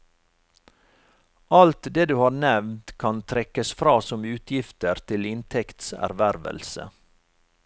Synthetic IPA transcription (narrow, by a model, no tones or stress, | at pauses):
ʔɑlt̪d̪eːd̪ʉːhɑːɾnɛʋnt̪kʰɑnt̪ʰɾɛkəsfɾɑːsɔmʉːt̪ʰjɪft̪əɾt̪ʰɪlɪnt̪ʰɛkt̪sæ̰ɾʋæɾʋə̰lsə̰